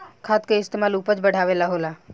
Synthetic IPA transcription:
kʰaːt̪̚kaɪst̪eːmaːluːpət͡ʃbəɽ̤ʱaːʋelaɦoːlaː

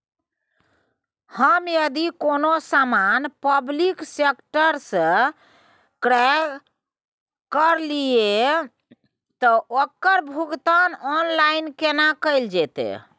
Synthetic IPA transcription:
həmjəd̪ikonosamanpəbliksekʈəɾsə̃ | kɾa | kəɾlie | t̪ɔʔokəɾbʱuɡt̪anɔnlainkenakəɪld͡ʒɛt̪ḛ

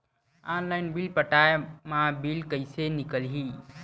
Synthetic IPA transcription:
aːnlaɪnbilpəʈaːemãbilkəisenɪkəlɦi

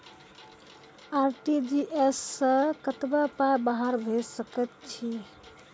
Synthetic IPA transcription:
aɾʈid͡ʒiʔesːə̃kət̪bəpajbaɦaɾbʱesəkɛt̪̚t͡ʃʰi

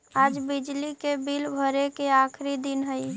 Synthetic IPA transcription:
ad͡ʒbid͡ʒlikebilbʱəɾekeakʰɾid̪inɦəi

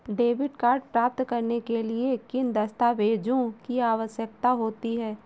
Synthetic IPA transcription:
ɖeːʋɪʈkaːɾɖpɾaːp̚t̪kɐɾnekeliekɪnd̪ɐst̪aːʋeːd͡ʒõkiaːʋəʃjək̚t̪aɦoːt̪iɦɛː

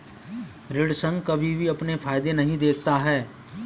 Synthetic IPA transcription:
ɾɪɽsə̃ŋɡkɐbʱibʱiɐpnefʰaːjd̪enɐɦĩd̪eːk̚ʰt̪aɦɛː

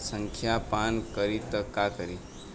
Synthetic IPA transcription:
səŋkʰjapankəɾit̪əkakəɾi

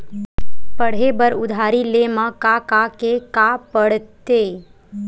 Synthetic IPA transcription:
pəɽ̤ebəɾʊd̪ʱaːɾilemãkakakekapəɽt̪eː

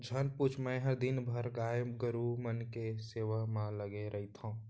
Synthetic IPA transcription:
d͡ʒʱənput͡ʃʰmɛ̃ɦəɾd̪ɪnbʱəɾɡaːəɡəɾumənkeseːʋamãləɡeɾʔəɦit̪ʰã

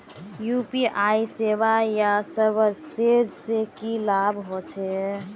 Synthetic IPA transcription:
jupiʔaisebajasəbəɾsed͡ʒsekilabɦot͡ʃʰɛ

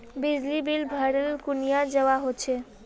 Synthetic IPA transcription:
bid͡ʑlibilbʱəɽelkunijad͡ʒewaɦot͡ɕʰe

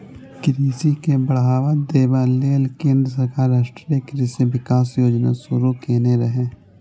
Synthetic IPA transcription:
kɾiːsikebəɽɦaːʋad̪eːbaleːlkẽːnd̪ɾəs̬ɐɾkaːɾaːʃʈɾekɾiseʋɪkaːsjoːd͡ʒna̰sʊɾukeːneɾəɦẽː

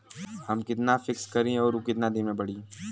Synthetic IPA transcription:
hɐmkɪt̪nafɪkskɐɾẽɔːɾokɪt̪nad̪inmẽbɐɽ̤iẽ

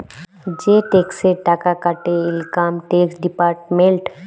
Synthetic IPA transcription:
d͡ʒeːʈeːkseʈaːkakaʈeɪlkaːmʈeːksɖɪpaːɾʈmẽɳʈ

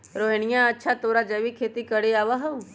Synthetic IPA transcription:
ɾoɦenijãətːʃʰat̪oːɾad͡ʒɐʋikʰeːt̪ikəɽeaːʋaɦəu

